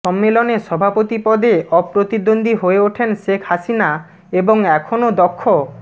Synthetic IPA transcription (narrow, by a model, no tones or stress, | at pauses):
ʃɔmːeloneʃɔbʱapot̪ipɔd̪eʔɔpɾot̪id̪ond̪ʱiɦoeoʈʰenʃekʰhaʃina | eboŋɛkʰonod̪ɔkʰːo